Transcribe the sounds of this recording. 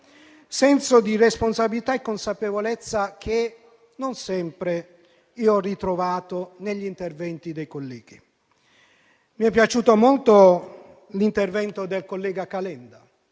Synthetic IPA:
sɛnsod̪iresponsabilit̪aekːonsapevolet̪sːak̟ʰe | nonsɛmpɾe | iːoɔrːit̪ɾovaːt̪oneʎːint̪ervɛnt̪id̪ejkolːɛːɡi | miɛpːjat͡ʃuːt̪omolt̪o | lint̪ervɛnt̪od̪elkolːɛːɡakalɛnd̪a

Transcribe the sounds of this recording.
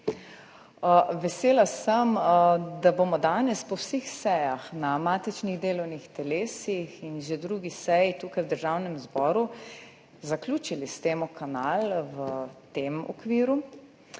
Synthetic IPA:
əʋɛseːlasəmd̪abomɔd̪aːnɛspɔwsixsɛjaxnamaːt̪it͡ʃniɣd̪eːlɔwnixt̪ɛleːsixinʒed̪ɾuːɡisɛjit̪uːkajwd̪əɾʒaːwnɛmzbɔːɾu | zaklʲjuːt͡ʃilist̪eːmukanaːlwət̪emɔ̰kʋiːɾu

